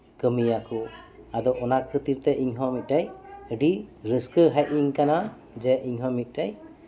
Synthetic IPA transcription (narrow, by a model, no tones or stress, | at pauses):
kɯmijakʰu | ad̪ɔʔɔnakʰɯt̪iɾt̪ɛʔiŋɦɔmit̚dajɯɖiɾɯskɯɦaj̚iŋkana | d͡ʒɛʔiɲɦɔmit̪̚ˀdaj